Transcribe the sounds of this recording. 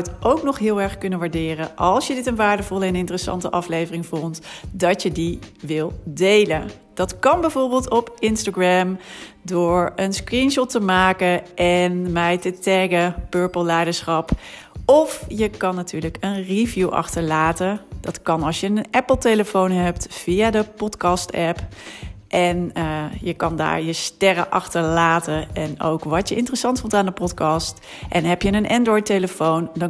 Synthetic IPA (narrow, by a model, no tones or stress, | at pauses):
tʔowknɔχɦɪːlˠɛɹχkɵnənʋaːɹdɪːrənʔɑlˠsjədɪtənʋaːɹdəvɔləɛnɪntərəsɑ̰ntə̰ʔɑflejvərɪŋvɔntdɑtjədiʋɪlˠdejlən | d̥ɑtkɑnbɛjvʊːɹbɪːlˠtɔpɪnstaɡrɛmdʊːɹənskrinʃɔtəmaːkəʔɛnmɛjtətɛɡəpøɹpəlˠlɛjdəɹsχɑp | ɔfjəkɑnːatyːɹləkənrivjuʔɑ̰χtəɹlaːtədɑtkɑnɑlˠsjənənɛpəl̩ˠtejləfownɦɛptfijadəpɔtkɑstɛpʔɛnəjəkɑnda̰ːɹjəstɛrə̰ʔɑχtəɹlaːtəɛno̰wkʋɑtəʔɪntərəsɑntfɔntaːndəpɔtkɑst | ʔɛnɦɛpjənənʔɛndrɔjteləfowndɑ